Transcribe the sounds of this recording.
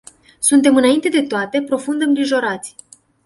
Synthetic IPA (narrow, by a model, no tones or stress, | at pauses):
sunt̪e̞mɨnaint̪e̞d̪e̞t̪oat̪e̞pɾo̞fund̪əɨmŋɡɾiʒo̞ɾat̪sʲ